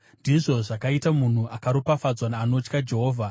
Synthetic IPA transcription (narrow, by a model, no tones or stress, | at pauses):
ndiʐo̞ʐakaitamun̤uʔakaɾopafad͡zwanaːno̞t͡ʃkad͡ʒe̞ɦoːvʱa